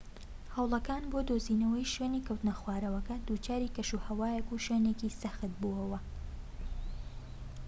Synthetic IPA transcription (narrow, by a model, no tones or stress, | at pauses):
hɐwlˠɐkaːnbod̪oziːnɐwɐjʃeːniːkʰɐwt̪ɨnɐxwaːɾɐwɐkɐd̪uːt͡ʃaːɾiːkɐʃuhɐwaːjɐkuʃɥeːnekisɐxɨt̪̚buɐwɐ